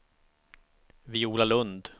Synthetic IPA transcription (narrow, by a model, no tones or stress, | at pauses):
vɪuːlalɵnd̪